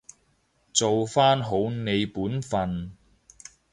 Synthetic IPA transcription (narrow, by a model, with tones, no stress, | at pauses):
t͡so˨wfaː˥nɦo˨˥wne˨˧jpuː˨˥nfɐ˨n